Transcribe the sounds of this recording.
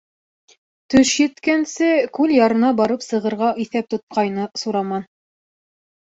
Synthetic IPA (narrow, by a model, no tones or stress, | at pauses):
t̪ɵʃjɘ̆t̪kænsɘkʉljɑɾɤ̆nɑbɑɾɤpsɤ̆ʁɤ̆ɾʁɑʔiθæp̚t̪ŏt̪̚qɑjnɤsuɾɑmɑn